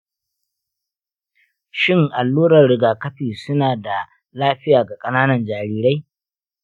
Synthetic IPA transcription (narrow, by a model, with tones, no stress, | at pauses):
ʃɪ˦ŋʔa˨lːuː˦ɾɐ˨rɽɪ˨ɡaː˨kɐ˦ɸiː˨sʊ˦naː˨da˨ | laː˦ɸɪ˦jaː˨ɡa˨kʼɐ˦naː˦nɐ˨nd͡ʒaː˨ɾiː˨ɾa˦j